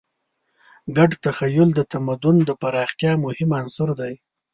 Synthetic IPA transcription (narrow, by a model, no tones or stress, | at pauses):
ɡaɖt̪axajʊld̪ət̪amad̪ʊnd̪əpaɾɑxt̪jɑmʊhɪmansʊɾd̪aj